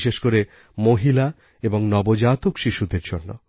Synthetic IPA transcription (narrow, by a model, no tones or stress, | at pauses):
ʃeʃkoɾe | moɦila | eboŋnɔbod͡ʑaːt̪ukʃiʃud̪eɾd͡ʑonːo̰